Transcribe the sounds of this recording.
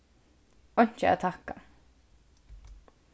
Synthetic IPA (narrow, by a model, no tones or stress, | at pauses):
ɔn̥t͡ʃəæ̰ðt̪ʰaka